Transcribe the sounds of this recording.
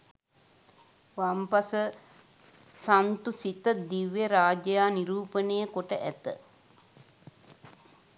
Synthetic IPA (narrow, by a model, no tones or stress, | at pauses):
ʋampasə | sant̪usit̪əd̪iʋjeɾaːd͡ʒəjaːniɾuːpənəjəkoʈəʔæt̪ə̰